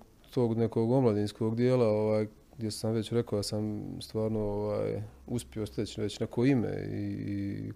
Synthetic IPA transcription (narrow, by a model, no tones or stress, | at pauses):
t̪o̞ːɡnekoːɡo̞mlˠad̪iːnsko̞ɡd̪jeːlaoʋaːj | ɡd̪jesamʋe̞t͡ɕɾe̞kod̪asamst̪ʋaːɾnooʋa̰ːjuspʲiost̪et͡ɕʋet͡ɕnakʰoimḛḭ